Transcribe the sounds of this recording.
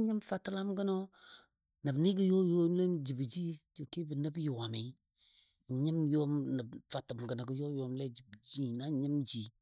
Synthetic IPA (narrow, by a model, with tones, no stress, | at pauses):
ɲə˦mfa˦tla˦mɡə˦nɔ˦ | nə˨bni˦ɡə˦jo˦jo˦le˦nd͡ʒi˨bd͡ʒi˦˨ke˦bə˨nə˦bju˨wa˨mi˨˦˨ | ɲɪ˦mjo˦mnə˨bfa˨tbɡə˨nɔ˨ɡə˦jo˦jɔ˨˦mlɛ˦d͡ʒi˨bd͡ʒi˦na˨˦˨ɲɪ˦md͡ʒi˦